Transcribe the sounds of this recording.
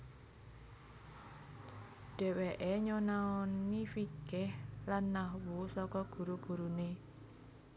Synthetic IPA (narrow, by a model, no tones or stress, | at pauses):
ɖ̥ɛ̤weʔeɲonaɔnifiɡ̥ɛhlanːahwusɔkɔɡ̥ṳɾuɡ̥ṳɾune